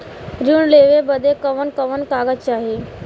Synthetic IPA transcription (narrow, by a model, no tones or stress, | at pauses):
ɾjuːɳleʋebəd̪ʱekəʋənkəʋənkaːɡətt͡ʃaːɦeː